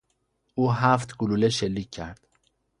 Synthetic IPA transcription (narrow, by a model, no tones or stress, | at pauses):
uːɦæft̪ʰɡululeʃelːiːcʰːæɾd̪̥